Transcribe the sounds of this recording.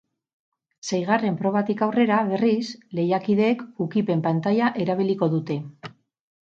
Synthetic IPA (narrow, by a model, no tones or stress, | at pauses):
sejɣare̞mpɾo̞β̞at̪ikawre̞ɾaβe̞risle̞jakiðe̞kukipe̞mpant̪ajaʔe̞ɾaβ̞iliko̞ðut̪e̞